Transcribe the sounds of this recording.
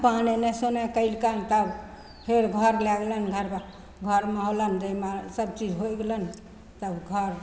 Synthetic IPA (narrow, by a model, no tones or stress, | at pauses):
panenɛsonɛkəilkant̪əb | pʰeɾɡʱəɾlɛɡlənɡʱəɾba | ɡʱəɾmeɦolənd͡ʒəimasəb̚t͡ʃid͡ʒɦojɡelən | t̪əbɡʱəɾ